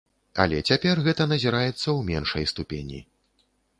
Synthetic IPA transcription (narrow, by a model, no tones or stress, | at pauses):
ɐ̰lʲɛt͡sʲapʲɛrɣɛt̪ɐnɐzʲiɾajɛt̪sːɐwmʲɛnʂɐjst̪upʲenʲḭ